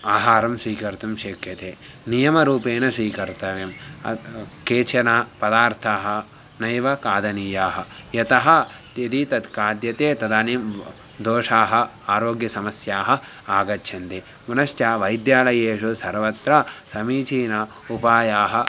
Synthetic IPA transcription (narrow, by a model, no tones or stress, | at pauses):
aːɦaːɾɐmsʋiːkɐɾt̪umʃeːkjɐt̪eː | nijɐmɐɾuːpeːnɐsʋiːkɐɾt̪ɐʋeːm | keːt͡ʃɐnaːpɐd̪aːɾt̪ʰaːɦɐ̆ | nɐjʋɐkaːd̪ɐniːjaːɦɐ̆jɐt̪ɐɦɐ̆t̪ɐd̪it̪ɐt̪kaːd̪jɐt̪eːt̪ɐd̪aːnjim | d̪oːʂaːɦɐ̆ | aːɾoːɡjɐsɐmɐsjaːɦɐ̆ | aːɡɐtːt͡ʃʰɐnt̪e | unɐʃtjaːʋɐjd̪jaːlɐjeːʂusɐɾʋɐt̪ɾɐsɐmiːt͡ʃiːnɐ | upaːjaːɦɐ̆